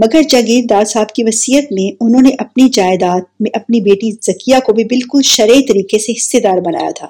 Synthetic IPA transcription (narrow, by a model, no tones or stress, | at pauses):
mɐɡəɾd͡ʒɐɡiːɾd̪aːd̪saːbkiʋɐsiːət̪mẽʊnɦõːneʔɐpnid͡ʒaːɪd̪aːt̪̚mẽʔɐpnibeːʈiz̥ɐkijakobʱibɪlkʊlʃɐɾeːt̪ɐɾiːkeseɦɪsːed̪aːɾbɐna̰ːja̰t̪ʰa̰ː